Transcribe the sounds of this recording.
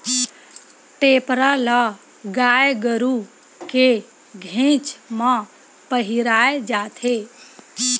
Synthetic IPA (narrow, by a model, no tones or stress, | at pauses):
ʈeːpɾala | ɡaːjɡəɾu | ke | ɡʱẽt͡ʃmã | pəɦiɾaːed͡ʒaːt̪ʰe